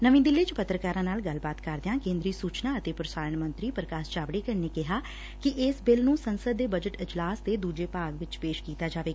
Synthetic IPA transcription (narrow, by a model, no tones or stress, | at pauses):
nəʋĩːd̪ɪlːeːt͡ʃpət̪ɾəkaːɾãːnaːlɡəlbaːt̪kəɾd̪ejãːkẽːnd̪ɾiːsuːt͡ʃnaːət̪eːpɾəsaːɾəɳmə̃nt̪ɾiːpɾəkaːst͡ʃaːʋɽeːkəɳneːkɪɦaː | kɪʔɪsbɪlnũːsənsəd̪ːeːbəd͡ʒəʈɪd͡ʒlaːst̪eːd̪uːd͡ʒeːpaːɡʋɪt͡ʃpeːʃkiːt̪aːd͡ʒaːʋeːɡaː